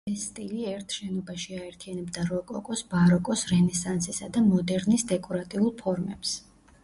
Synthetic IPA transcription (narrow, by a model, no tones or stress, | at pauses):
ɛsːt̪ʼiliɛɾt̪ʰʃɛnɔbaʃiaɛɾt̪ʰianɛbd̪aɾɔkʼɔkʼɔsbaɾɔkʼɔsɾɛnɛsansisad̪amɔd̪ɛɾnisd̪ɛkʼɔɾat̪ʼiulˠpʰɔɾmɛ̰ps